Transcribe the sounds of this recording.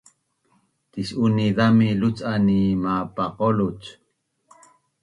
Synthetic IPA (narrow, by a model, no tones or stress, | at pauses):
t̪iʃuniðamilut͡sanimapaqolut͡ʃ